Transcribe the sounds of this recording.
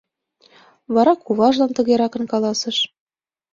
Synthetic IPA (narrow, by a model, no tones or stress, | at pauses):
βɑɾɑkuβɑʒlɑnt̪ɤ̆ɣeɾɑkɤ̆nkɑlˠɑsɤ̆ʃ